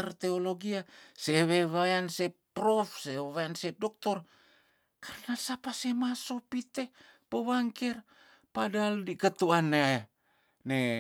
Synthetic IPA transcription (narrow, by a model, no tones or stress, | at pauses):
rt̪eoloɡiaseweβaansepɾofseeβaansedok̚t̪ɔr | karnasapasemasopit̪epoβaŋkɛr | padaldikət̪uane | ne